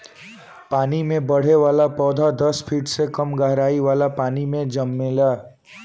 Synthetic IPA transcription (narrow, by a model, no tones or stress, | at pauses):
paːnimẽbəɽ̤eʋalapɔd̪ʱad̪əspʰiʈsekəmɡaɦɾaiʋalapaːnimẽd͡ʒəmːela